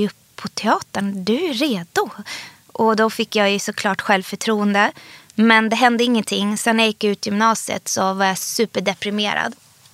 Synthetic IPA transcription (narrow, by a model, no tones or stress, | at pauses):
ɵpʰːɔt̪ʰɛɑːt̪əɳd̪ɛɾeːd̪ʊ | ʔɔd̪ɔfɪkːjɑjɵsɔkʰlɑːʈɧɛlvfœʈʰɾuːənd̪ə | mɛnd̪ɛɦɛnd̪əɪŋːənt̪ʰɪŋːsɛnːjajɪkːjaʉ̟ːt̪ɪjʏmnɑːsɪə̰t̪sɔvaɾjasʉ̟ːpəɖɛpɾɪmḛːɾa̰d̪